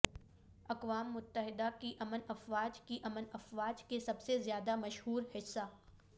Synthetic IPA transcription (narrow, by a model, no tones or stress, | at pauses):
ɐqʋaːmːʊt̪ːəɦɪd̪akiʔɐmənɐfʋaːd͡ʒkiʔɐmənɐfʋaːd͡ʒkesɐbsezjaːd̪amɐʃhuːɾhɪsːa